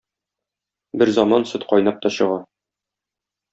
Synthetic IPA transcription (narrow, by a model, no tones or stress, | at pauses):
bɘɾzɒmɑnsɵt̪qɒjnɑp̚t̪ɒɕɤ̆ʁɑ